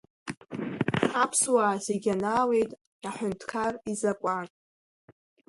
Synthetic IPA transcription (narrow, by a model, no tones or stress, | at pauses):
apʰswaːzeɡʲanaːwe̞jtʼ | aħʷᶣʊntʰkʰarizakʷʼanʼ